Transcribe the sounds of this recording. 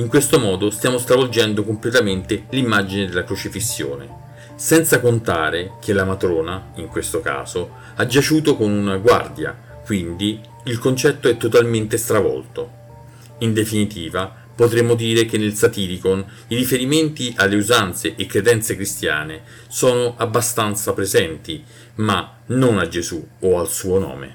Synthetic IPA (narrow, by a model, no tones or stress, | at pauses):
iŋkwest̪omɔːd̪ost̪jaːmost̪ɾavold͡ʒɛnd̪okomplet̪ament̪elimːad͡ʒined̪elːakɾot͡ʃifisːjo̰ːnḛ | sɛnt̪sakont̪aːɾekʰelamat̪ɾɔːnaiŋkwest̪oka̰ːz̥o | ad͡ʒat͡ʃuːt̪okonunaɡwa̰rd̪ja̰ | kwind̪iː | lkont͡ʃɛt̪ːoɛt̪ːot̪alment̪est̪ɾavɔ̰lt̪o | ind̪efinit̪iːva | pot̪ɾemːod̪iːɾekenːelsat̪iːɾikon | iɾifeɾiment̪iʔalːeuzant̪seʔekːɾed̪ɛnt̪sekɾist̪ja̰ːne | sɔːnoʔabːast̪ant̪sapɾezɛnt̪i | ma | nonad͡ʒːezuoalsuːonɔ̰ːmḛ